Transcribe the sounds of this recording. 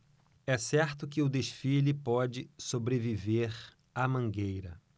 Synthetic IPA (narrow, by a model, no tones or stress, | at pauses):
ɛsɛɾt̪ʊkɪʊd̪eʃfilɪpɔd͡ʒɪsobɾeviveɾ | ɐmɐ̃ŋɡejɾɐ̰